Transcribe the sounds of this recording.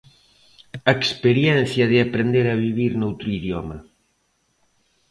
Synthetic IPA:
aekspeɾjɛn̟θjɐðeapɾend̪eɾaβ̞iβ̞iɾnowt̪ɾoiðjɔmɐ

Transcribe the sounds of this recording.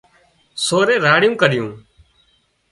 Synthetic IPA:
soːɾeːɾaːɽɪjũːkəɾɪjũː

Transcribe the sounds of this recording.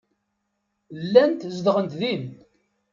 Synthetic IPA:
lːænt̪zd̪ʁənt̪ðin

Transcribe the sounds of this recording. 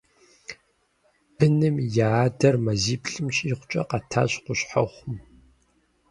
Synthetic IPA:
bɨnɨmjaːdɐrmɐziːpɬʼɨmɕʼiχʷʊt͡ʃʼɐ̰qɐtʰa̰ːɕqʷʊɕħa̰χʷʊm

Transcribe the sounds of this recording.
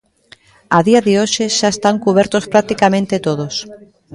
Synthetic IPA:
aðiaðɪoʃeʃaest̪aŋkuβ̞ɛɾt̪ospɾak̚t̪ikamẽnt̪et̪oðos

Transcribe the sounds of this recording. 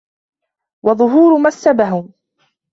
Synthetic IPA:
wɑðˤʊɦuːɾʊmasːabaɦʊm

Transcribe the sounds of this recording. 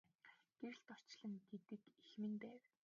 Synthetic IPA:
ɡ̥eɾɘ̆ɬt̪ɔr̥t͡ɕɮə̆ŋɡet̪ɘ̆kixmɘ̆np̪æːw

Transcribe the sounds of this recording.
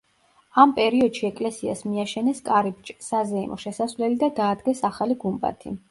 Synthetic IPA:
ampʼɛɾiɔd̪̥ʃiɛkʼlɛsiasmiaʃɛnɛskʼaɾib̚t͡ʃʼsazɛḭmʔɔ̰ʃɛsasvlɛlid̪ad̪aːd̪ɡɛsaχaliɡumba̰t̪ʰḭ

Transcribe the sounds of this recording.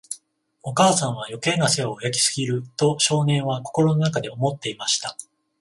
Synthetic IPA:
o̞kaːsãɰ̃βajo̞ke̞naseojakʲi̥sɨ̥ɡʲiɾɯ̟t̪o̞ɕo̞ːnẽ̞ɰ̃βako̞̥ko̞ɾo̞no̞nakad̪e̞o̞mo̞t̪ːe̞imaɕi̥t̪a

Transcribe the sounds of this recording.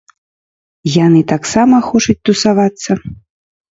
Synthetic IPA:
janɨt̪aksamɐxɔt͡ʂɐt͡sʲt̪usavat̪sːɐ

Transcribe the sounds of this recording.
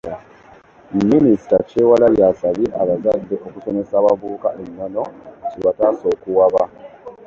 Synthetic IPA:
minisi̥tace̞walajasaβiʔaβazadːeʔokusomesaβaβuːkaʔeɲːano̞ciβataso̞ːkuwaβa

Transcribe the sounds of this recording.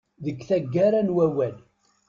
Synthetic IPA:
ðəɡθæɡːaɾanwæwæl

